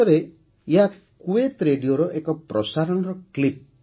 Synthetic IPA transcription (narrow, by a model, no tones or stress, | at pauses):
ɔɾe | jɦa | kuet̪ɾeɖioɾɔʔekɔpɾɔsaɾɔnɔɾɔklip̚